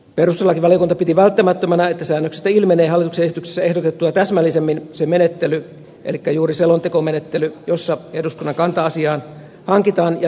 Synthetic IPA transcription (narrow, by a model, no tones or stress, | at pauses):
perust̪elːɑkiʋɑlijokunt̪ɑpit̪iʋælt̪ːæmæt̪ːømænæet̪ːæsæːnːøksest̪æilmeneːɦɑlit̪uksenesit̪ykse̥sːæe̞hdot̪et̪ːuɑt̪æsmælːisemːinsemenet̪ːely | ʔḛlikːæjuːriselont̪ekomenet̪ːelyjosːɑeduskunːɑŋkɑnt̪ɑɑsiɑːn | hɑŋkit̪ɑːnjɑ